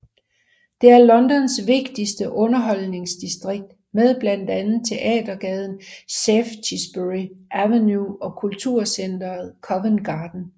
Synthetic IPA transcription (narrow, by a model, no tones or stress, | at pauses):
d̥e̝æɐlɒ̽nd̥ɒ̽nsʋe̝ɡ̥d̥isd̥əʔɔ̽nɐɦɒ̽l̰ne̝ŋsd̥isd̥ʁeɡ̥̚d̥ | meðˠb̥læn̰d̥ænð̩ˠt͡sʰe̝ʔɛ̰ːdɐɡ̥ɛð̞ˠn̩seft͡sʰisb̥øʁiʔæʋenjuɒ̽kʰult͡sʰuɐsend̥ɐð̩ˠkʰɒ̽ʋenɡ̥ɑ̈ːd̥n̩